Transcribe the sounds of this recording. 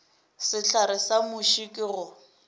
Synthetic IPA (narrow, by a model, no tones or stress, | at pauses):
sɪɬaɾɪsamʊʃikʼɪɣʊ